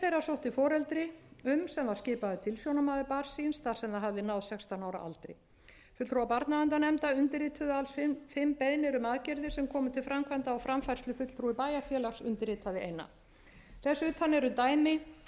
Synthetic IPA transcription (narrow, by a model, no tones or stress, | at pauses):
θejrːasowht̪ɪfɔːɾɛlt̪ɾɪʏmsɛmvaɾ̥scɪːpaðʏt̪ʰɪlsjownamaðɪpaɾ̥sinsθḁsɛmðaɦavðɪnawðsɛkst̪anaːwɾa̰ʔa̰lt̪ɾɪ̰ | fʏt̪t̪ɾuwapaɾt̪navant̪anɛmt̪aʏnt̪ɪɾiːt̪ʰʏðaalsffɪmpɛðnɪɾʏmaðcɛɾðɪsɛmkʰɔːmʏt̪ʰɪlfɾamkʰvant̪aawfɾamfajɾ̥slʏfʏt̪l̥t̪ʰɾuɪpaːjafjɛːlaksʏnt̪ɪɾɪːt̪ʰaðɪeːjnːa̰ | θɛsːʏːt̪ʰanːɛɾʏt̪aːjmɪ